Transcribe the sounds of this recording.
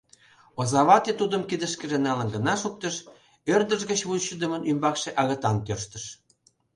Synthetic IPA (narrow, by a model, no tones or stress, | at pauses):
ozɑβɑt̪et̪ud̪əmkid̪əʃkə̆ʒenɑlənɡə̆nɑʃuk̚t̪ə̆ʃ | ørd̪əʒɣət͡ɕβulˠɕəd̪ə̆mənymbɑkʃeʔɑɣə̆t̪ɑnt̪ørʃt̪ə̆ʃ